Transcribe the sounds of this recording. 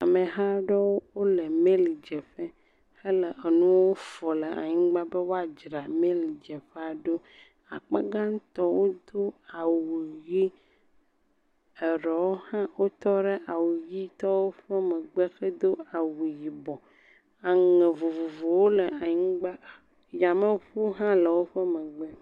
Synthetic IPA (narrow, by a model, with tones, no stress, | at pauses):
a˨mẽ˨ɦa˦ɖɔ˦wo˦wo˦le˨mẽ˦li˨d͡ʒɛ˨ɸɛ˦ | he˦lə˨ʔə˨nũ˦wo˦fɔ˨le˨a̰˨ɲĩ˦ɡ͡ba˦be˦wo˦a˨d͡ʒɾa˨mẽ˦li˨d͡ʒɛ˨ɸɛ˦a˨ɖo˦ | a̰˨k͡pa˦ɡã˦ŋ˦t̪ɔ˦wo˦d̪o˦a˨wu˨ji˦ | ə˨ɾɛ˨wo˦hã˦wʔo˦t̪ɔ˦ɖe˦ʔa˨wu˨ji˦t̪ɔ˦wo˦ɸə˦mə˨ɡ͡be˦xə˦d̪o˦a˨wu˨ji˨bɔ˨ | a˨ŋɛ˨vo˨vo˨vo˨wo˦lə˨a˨ɲĩ˦ɡ͡ba˦ | ja˨mə̃˦ɸu˦ɦã˦lə˨wo˦ɸə˦mə˨ɡ͡bɛ˦